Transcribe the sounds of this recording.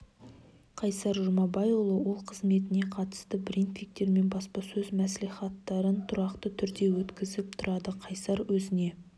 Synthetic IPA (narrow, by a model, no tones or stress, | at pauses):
qʰɑjsɑɾʒʊmɑbɑjolˠəwo̞lˠqʰəzme̞t̪ɪne̞qʰɑt̪ə̥st̪əbɾint̪fik̚t̪e̞ɾme̞nbɑspɑsɵzmæsliχɑt̪ːɑɾənt̪ʰʊɾɑqt̪ət̪ʰʏɾd̪e̞wɵt̪kʲɪzɪp̚t̪ʰʊɾʔɑd̪əqʰɑjsɑɾwɵzɪne̞